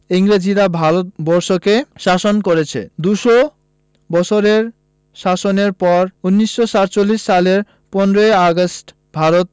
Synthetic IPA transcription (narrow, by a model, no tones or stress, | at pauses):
iŋɾed͡ʑiɾabʱaɾot̪̚bɔɾʃokeʃaʃonkoɾet͡ɕʰḛd̪uʃo | bɔt͡ɕʰoɾeɾ | ʃaʃoneɾpɔɾunːiʃːoʃaɾt͡ɕolːiʃːaleɾ | pɔnɾoeaɡosʈ | bʱaɾot̪̚